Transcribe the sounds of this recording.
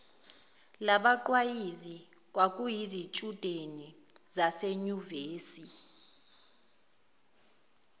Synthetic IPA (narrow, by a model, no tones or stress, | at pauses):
laɓaǃwajizi | k̬wak̬ʼujizit͡ʃʼud̥ʱeni | zaseɲuveːsi